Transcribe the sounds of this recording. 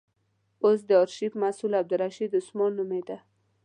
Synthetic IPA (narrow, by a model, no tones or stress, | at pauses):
os̬d̪əɑɾʃifmasulab̚d̪ʊɾaʃid̪ʊsmɑnːumed̪a